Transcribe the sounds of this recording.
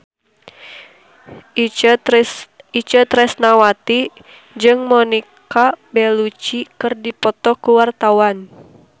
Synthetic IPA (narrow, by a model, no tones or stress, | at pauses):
it͡ʃət̪ɾɛsnawat̪i | d͡ʒɨŋmɔnikabɛlut͡ʃikɨrdipɔt̪ɔkuwart̪awan